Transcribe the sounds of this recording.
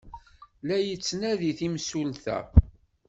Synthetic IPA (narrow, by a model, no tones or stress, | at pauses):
læjət͡sːnæðiθimsulθæ̰